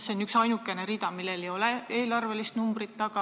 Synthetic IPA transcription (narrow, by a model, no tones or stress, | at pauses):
se̞onyksɑjnukːˑe̞ne̞ɾid̪̥ɑmilːe̞lejo̞lee̞ːlɑrve̞list̪numb̥rit̪ːɑɡ̥ɑ